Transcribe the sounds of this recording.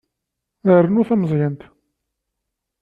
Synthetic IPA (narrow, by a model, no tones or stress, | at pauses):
əɾənuθæməzˤjənt̪